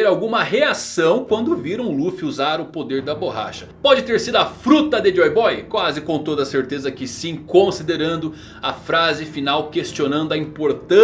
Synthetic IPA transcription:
ɾawɡũmɐɦeasɐ̃w̃kwɐ̃nd̪ʊviɾɐ̃w̃lufuzaɾʊpod̪eɾd̪ɐboɦa̰ʃɐ̥pɔd͡ʒɪt̪eɾsid̪ʊɐfɾut̪ɐd̪ɪd͡ʒɔjbɔjkwazɪkõw̃t̪od̪ɐseɾt̪ezɐkɪsĩkõsid̪eɾɐ̃nd̪ʊ | ɐfɾazɪfinawkest͡ʃionɐ̃nd̪ʊɐĩpoɾt̪ɐ̃

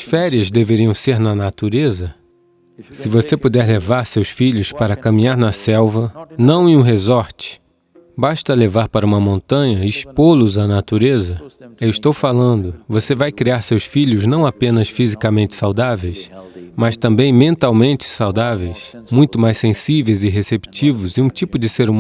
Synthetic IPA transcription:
ɐsfɛɾiɐzd̪eveɾiɐ̃w̃seɾnɐnat̪uɾezɐ | sɪvosepud̪ɛɾlevaɾsewsfiʎʊspaɾɐkɐmĩɲaɾnɐsɛwvɐnɐ̃w̃ĩũɦezɔɾt͡ʃɪ̥ | baʃt̪ɐlevaɾpaɾɐũmɐmõnt̪ɐ̃ɲɐispolʊzɐnat̪uɾezɐewɪst̪owfalɐ̃nd̪ʊvosevajkɾiaɾsewsfiʎʊznɐ̃w̃apẽnɐsfizikɐmẽnt͡ʃɪ̥sawd̪avejsmɐst̪ɐ̃mbẽj̃mẽnt̪awmẽnt͡ʃɪ̥sawd̪avejsmũj̃t̪ʊmajsẽsivejzɪɦesepi̥t͡ʃivʊzɪũt͡ʃipʊd͡ʒɪseɾum

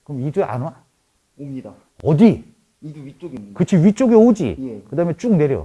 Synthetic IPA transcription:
kɯʌmid͡ʑueʔa̰na | ʌdi | kɯt͡ɕʰiɥit͡ɕ͈oɡeod͡ʑḭkɯdaːɯmet͡ɕ͈uŋne̞ɾjo̰

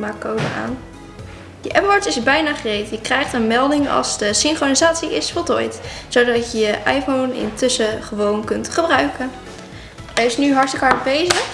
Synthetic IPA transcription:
maːkowdəa̰ːn | də̰ʔɛpɔɹtɪsbɛjnaːχərejtjəkrɛjχtənmɛlˠdɪŋɑ̰lˠzdəsɪŋχronizaːtsiɪsfɔlˠtɔ̰jtzowdɑtəjəʔajfownɪ̰ntʏsəχəʋownkɵntχəbrœɥkə | ɛɪsnyɦɑɹstəkɦɑɹtbejzə

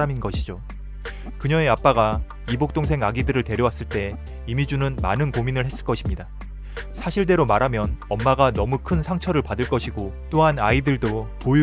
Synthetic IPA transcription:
aminɡʌɕʰid͡ʑo | kɯɲʌŋe̞ap͈aɡa | ibok̚t͈oŋsʰe̞ŋaɡidɯɾɯɭte̞ɾjʌwas͈ɯɭt͈e̞ | imid͡ʑunɯnma̰nɯnkominɯɭhe̞s͈ɯɭk͈ʌɕʰimɲida | sʰaɕʰiɭt̬e̞ɾomaɾɦamjʌnʌmːaɡanʌmukʰɯnsʰaŋt͡ɕʰʌɾɯɭpadɯɭk͈ʌɕʰiɡo | t͈oɦanaidɯɭdopoj

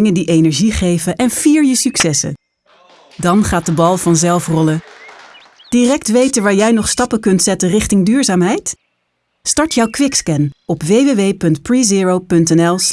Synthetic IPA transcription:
ŋədiʔejnɛɹʒiχejvənʔɛnviːɹjəsyksɛsə̰ | dɑnχaːt̚dəbɑlˠvɑnzɛlˠfrɔlə | d̥irɛk̚tʋejtəʋaːɹjɛjnɔχstɑpəkɵntsɛtənrɪχtɪŋdyːɹzaːmɦɛjt | stɑɹtjɑwkʋɪkskɛnɔpʋejʋeʋejpɵntpɹiziːɹowpɵntɛnɛlˠ

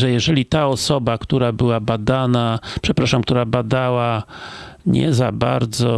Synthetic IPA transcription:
ʐɛjɛʐɛlʲit̪aɔsɔbakt̪uɾabɘwabad̪anapʂɛpɾaʂamk̚t̪uɾabad̪awa | ɲɛ̰za̰ba̰ɾd̪zɔ

